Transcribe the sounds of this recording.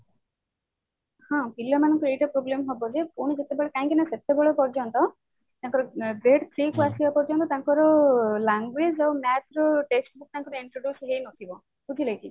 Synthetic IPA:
hɔ̃pilːamanɔŋkɔɾejʈapɾoblemɦɔbɔd͡ʒepuɽ̃id͡ʒet̪ebeɭekaɦĩkinaset̪ebeɭapɔɾd͡ʒɔnt̪ɔ | t̪ãŋkɔɾɔɡɾeɖt̪ʰɾikuasibapɔɾd͡ʒɔnt̪ɔt̪aŋkɔɾɔlaŋɡɾed͡ʒawmat̪ɾɔʈeksʈbuk̚t̪aŋkɔɾɔiɳʈɾoɖjusɦejnɔt̪ʰibɔ | kut̪ʰilajki

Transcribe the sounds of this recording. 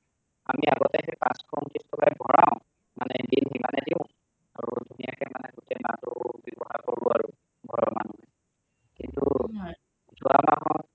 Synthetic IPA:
amiaɡɔtɛɦɛpãskʰɔntistʰɔkajbʱɔɹãʊ̃ | manɛdinɦimanɛdiʊ̃ | aɹudʱunijakɛmanɛɡutɛmatʊbɔbɔhakoɹuaɹu | ɡʱɔɹɔmanuɦɛ | kintu | zʱuwamaɦɔt

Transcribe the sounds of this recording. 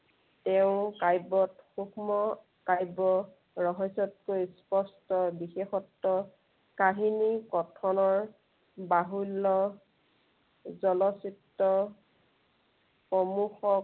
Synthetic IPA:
tɛʊ̃kajbɔtxukmɔ | kajbɔ | ɹɔɦɔsɔt̚kojspɔstɔbixexɔtːɔ | kaɦinikɔtʰɔnɔɹ | baɦulːɔ | zɔlɔsitːɔ | xɔmuxɔ

